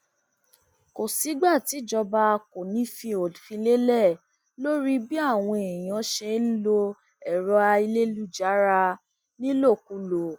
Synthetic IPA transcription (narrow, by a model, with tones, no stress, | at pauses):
ko˨si˨˦ɡ͡ba˦˨ti˨˦˨d͡ʒɔ˧ba˧ko˨nĩ˨˦fĩ˧o˨fĩ˧le˦lɛ˦˨ | lo˦ɾi˦bi˦a˦˨w̃ɔ̃˧e˨j̃ã˨˧˦ʃɛ˧˦lo˧ | ɛ˨ɾɔ˨˧a˧i˧le˦lu˦d͡ʒa˨˦ɾa˧ | nĩ˦lo˦˨ku˧˦lo˨